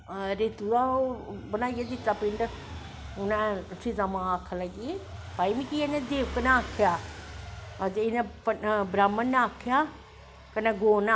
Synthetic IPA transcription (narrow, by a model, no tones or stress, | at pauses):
ɾeːt̪uabənaːijad̪ɪt̪ːaːpɪɳɖ | ʊnɛ̃sʰizamãːakʰaləɡiepaːimĩkianẽd̪eːʋkənaaːkʰjaː | d͡ʒɪnɛ̃pəbɾaːmːənːãaːkʰjaː | kənɛ̃ɡoːna